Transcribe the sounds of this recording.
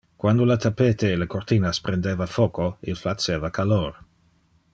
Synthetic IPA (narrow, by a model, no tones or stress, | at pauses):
kwand̪olat̪ʰapeːt̪eːlekort̪iːnaspɾend̪eːvafoːkoilflat͡seːvakʰaloːɾ